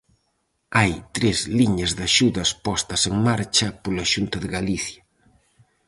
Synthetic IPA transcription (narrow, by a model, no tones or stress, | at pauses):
ajt̪ɾezliɲɐzðaʃuðɐspɔst̪ɐseŋmaɾt͡ʃɐpolaʃunt̪ɐðɪɣaliθjɐ